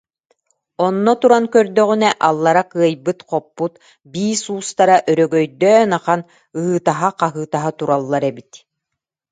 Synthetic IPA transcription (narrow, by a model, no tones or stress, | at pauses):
ɔnːɔt̪uɾankœɾd̪œʁynɛʔalˠːaɾakɯɐjbɯt̪qɔpːut̪ | biːsuːst̪aɾaʔœɾœɡœjd̪œːnaqan | ɯɦɯːt̪aɦaqaɦɯːt̪aɦat̪uɾalˠːaɾɛbit̪